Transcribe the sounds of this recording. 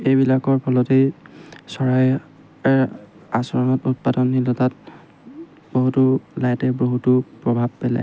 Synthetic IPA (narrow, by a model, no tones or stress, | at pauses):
ejbilakɔɹpʰɔlɔtejsɔɹaj | ɛɹ | asɔɹɔnɔtut̚padɔnːilɔtat̚ | b̥oɦutulajtɛboɦutupɹɔbʱab̚pɛla̰j